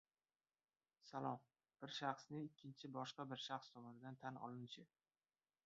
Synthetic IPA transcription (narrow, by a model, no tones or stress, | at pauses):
salˠɒm | b̥ɪɾʃɑχsnɪɪkʲʰːɪnt͡ʃʰɪbɒʃqɑbɪɾʃɑχst̪ʰɒmɒnɪd̪ant̪ʰanɒ̰lˠɪnt͡ʃʰɪ